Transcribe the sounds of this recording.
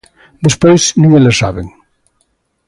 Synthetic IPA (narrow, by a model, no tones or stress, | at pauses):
d̪espojznũŋelesa̰βḛŋ